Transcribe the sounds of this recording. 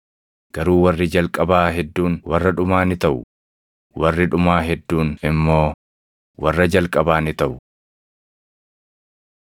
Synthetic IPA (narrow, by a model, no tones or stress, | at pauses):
ɡ̥ɐɾuːwɐrːɪd͡ʒɐlkʼɐbaːɦɛd̪ːuːnwɐrːɐᶑʊmaːnɪt̪ɐʔʊ | wɐrːɪᶑʊmaːɦɛd̪ːuːnɪmːo̞ː | wɐrːɐd͡ʒɐlkʼɐbaːnɪt̪ɐʔʊ